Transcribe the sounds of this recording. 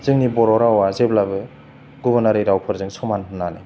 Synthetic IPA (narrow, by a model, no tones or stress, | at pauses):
z̥ɯŋnibɔɾɔɾawazeblabɯ | ɡubɯɾnaɾijɾawpʰɯɾzɯŋsɔmanɦɯnːalḛ